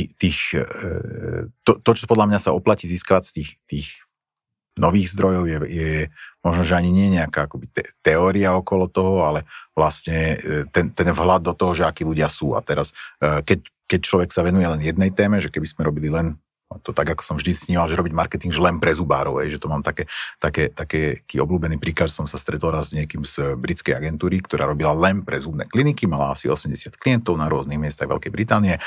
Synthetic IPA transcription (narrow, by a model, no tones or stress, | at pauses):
it̪iːx | t̪ɔt̪ɔt͡ʃɔpɔd̪lamɲasaɔplaciːziːskaʋat̪iːxt̪iːx | nɔʋiːɣzd̪ɾɔjɔʊjɛjɛmɔʒnɔʒɛaɲiɲɪɛjɛɲɛakaːakɔbit̪ɛt̪ɛɔːɾiaɔkɔlɔt̪ɔɦɔalɛʋlasɲɛt̪ɛnt̪ɛnvɦlad̪̚ːɔt̪ɔɦɔʒɛakiːluɟɪasuːa̰t̪ɛɾaskɛckɛc̚t͡ʃlɔʋɛksaʋɛnujɛlɛnjɛd̪̚nɛjt̪ɛːmɛʒɛkɛbiszmɛɾɔbililɛn | t̪ɔt̪aɡakɔ̥sɔmvʒd̪isɲiːmalʒɛɾɔbiɟmaɾkɛt̪iŋɡʒɛlɛnpɾɛzubaːɾɔʊɦɛjʒɛt̪ɔmaːmt̪akɛːt̪akɛːt̪akɛːkiːɔbluːbɛniːpɾiːklaʒsɔmsast̪ɾɛt̪ɔlɾazɲɪɛkiːmz̥bɾit͡skɛjaɡɛnt̪uːɾikt̪ɔɾa̰ːɾɔbilalɛnpɾɛzubnɛ̰ːklinikimala̰asiɔsɛmɟɛsɪat̪kliɛnt̪ɔʊnaɾʊɔzniɣmɪɛst̪aɣʋɛ̰lkɛjbɾit̪aːniɛ